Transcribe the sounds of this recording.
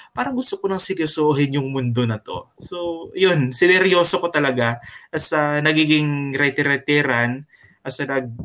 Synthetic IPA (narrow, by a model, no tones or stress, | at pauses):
paːɾɐŋɡʊst̪okonɐŋsɪɡɛsoːɦɪnjʊŋmʊnd̪o̞nɐt̪o̞̰sojonsɪnɛɾjo̞ːsokot̪ɐlɐɡaʔɐsɐnɐɡiːɡɪŋɾɛt̪ɪɾɛt̪ɛɾɐn | ɐsɐnɐɡ̚